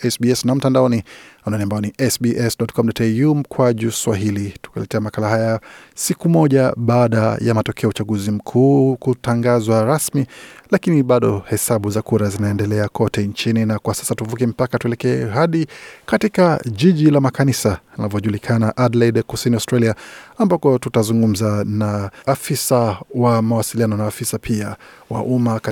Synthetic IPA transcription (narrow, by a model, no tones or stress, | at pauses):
ɛsbiɛsnam̩tandaɔniananiambaɔniʔɛsbiʔɛsɗɔtkʰɔm̩dɔtɛjum̩kwaʄuswaɦilitu̥kɛ̰lɛtɛamakalaɦajasikumɔʄaɓaːɗajamatɔkʰɛaut͡ʃaɡuzim̩kʰuːkutaŋɡazwaɾasmilakiniɓaɗɔhɛsaɓuzakuɾazinaɛndɛlɛakʰɔtɛɲt͡ʃininakwasḁsatuvuk̬ɛm̩pakatuɛlɛkɛɛɦaɗikatikaʄiʄilamakanisanavɔʄulikʰanaʔadlaiɗkusiniaʊstɾaliaambakɔtutazuŋɡum̩zanaafisawamawasilianɔnaːfisapʰiawa̰ʔumak